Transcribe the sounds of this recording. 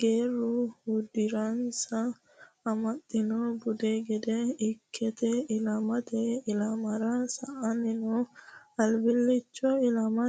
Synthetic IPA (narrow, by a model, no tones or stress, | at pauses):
ɡ̥eːɾːʊhʊd̪ɪɾɐnsɐː | mɐt̪ʼːɪnɔbʊd̪eɡɛd̪ɛɪkʰːɛt̪ɛɪlɐmɐt̪ɛɪlɐmɐɾɐsɐʔɐnɪnɔɐlbɪlːɪt͡ʃːɔɪlɐmɐ